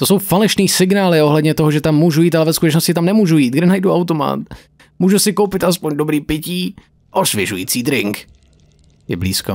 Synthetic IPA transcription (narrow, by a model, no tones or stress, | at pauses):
t̪oso̞wfalɛʃniːsɪɡnaːlɪo̞ɦlɛd̪ɲɛt̪oɦoʒɛt̪amːuːʒujiːt̪alɛvɛskut̪ɛt͡ʃnoscɪt̪amnɛmuːʒujiːt̪ɡdɛnajduawt̪oma̰t̪ | muːʒusɪkowpɪt̪ʔas̬poɲdobɾiːpɪciː | ʔoʃvjɛʒujiːt͡siːd̪ɾɪŋk | jɛ̰blḭːsko̰